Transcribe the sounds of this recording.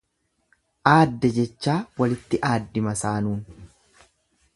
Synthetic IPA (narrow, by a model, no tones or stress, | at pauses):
ʔaːd̪ːɛd͡ʒɛt͡ʃːaːwɐlɪt̪ːɪʔaːd̪ːɪmɐsaːnuːn